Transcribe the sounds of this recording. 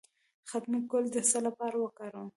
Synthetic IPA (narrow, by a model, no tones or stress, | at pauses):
xat̪makʊld̪əsalapɑɾawəkɑɾə